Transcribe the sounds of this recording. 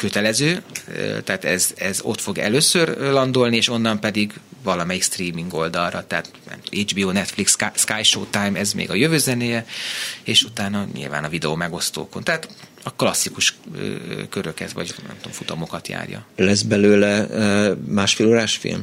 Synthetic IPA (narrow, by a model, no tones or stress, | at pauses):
køt̪ɛlɛzøːø̰t̪ɛaːt̪ɛzɛzo̞̰t̪fo̞ɡɛ̰løːsørlɒnd̪o̞lnieːʃo̞nːɒmpɛd̪iɡvɒlɒmɛjikst̪riːmiŋɡo̞ld̪ɒlrɒt̪ɛat̪nɛ̰mt̪omed͡ʒbiːoːnɛt̪fliksskaːjʃo̰ːt̪ajmɛzmḛːɡɒjøvøːzɛneːjɛeːʃut̪aːnɒɲḭlva̰ːnɒvid̪ɛomɛɡo̞st̪o̰ːkont̪ɛɦaːt̪ | ɒklɒsːikuʃøkøɾøkhɛ̰zʋɒ̰ɟnɛ̰mt̪o̞̰mfut̪omo̞kɒt̪ja̰ːrjɒ̰lɛzbɛløːlɛ | maːʃfeːloːɾaːʃfḭlm